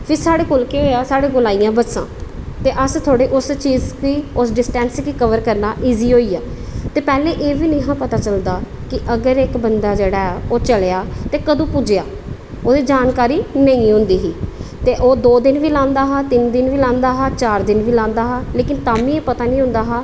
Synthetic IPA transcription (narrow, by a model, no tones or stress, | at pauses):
pʰɪɾsaːɽeːkolkeːoːaːsaːɽeːɡʊlaːijãːbətsã̰ːt̪eːʔəst̪ʰoːɽeːʔʊst͡ʃiːzkiːʊsɖɪsʈɛ̃ːnskiːkəʋəɾkəɾnaːʔiːziːɦoːiːaː | t̪eːpɛːleːʔeːʋiːnɪ̃ɦãːpət̪aːt͡ʃəld̪aːkɪʔəɡəɾɪkbənd̪aːd͡ʒeːɽaːɛːoːt͡ʃəlejaːt̪eːkəd̪õːpʊd͡ʒejaː | oːd̪eːd͡ʒaːnkaːɾiːnəĩːɦʊ̃nd̪iːɦiːt̪eːʔoːd̪oːd̪ɪnʋiːlãːnd̪aːɦaːt̪ɪnd̪ɪnʋiːlãːnd̪aːɦaːt͡ʃaːɾd̪ɪnʋiːlãːnd̪aːɦaːleːkɪnt̪aːmĩːeːpət̪aːnĩːɦʊ̃nd̪aːɦaː